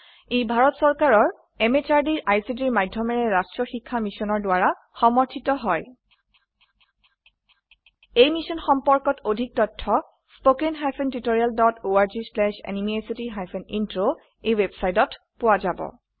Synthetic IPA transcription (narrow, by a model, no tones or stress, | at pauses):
ejbʱaɹɔtsɔɹkaɹɔɹ | emet͡ʃaɹdiɹʔajsidiɹmajdʱjɔmɛɹɛɹastɹɔxikʰːamisɔnɔɹdʊaɹa | xɔmɔɹtʰitɔɦɔj | ejmisɔnxɔmpɔɹkɔtodʱik̚tɔtʰːɔ | spokenɦajpʰentutoɹialdɔtoaɹzislɛʃɛ̰nimiesitiɦajpʰenintɹo | ejwebsajtɔt | pʊwazabɔ̰